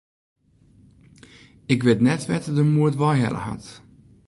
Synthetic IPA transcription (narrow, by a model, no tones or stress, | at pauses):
ɪkʋetnɛtʋɛtədəmuətʋɔjɦɛ̰lə̰ɦɑ̰t